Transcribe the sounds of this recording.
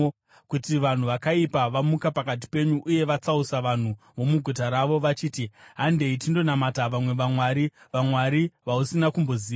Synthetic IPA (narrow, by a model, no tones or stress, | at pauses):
kutiʋan̤uʋakaipaʋamukapakat̬i̥pe̞ɲuʔːje̞ʋat͡sausaʋan̤u | ʋo̞muɡʱut̬aɾaʋo̞ʋat͡ʃiːtiɦande̞it̬indo̞namataʋamwe̞ʋamwaːɾiʋamwaɾiʋausinakumbo̞ziː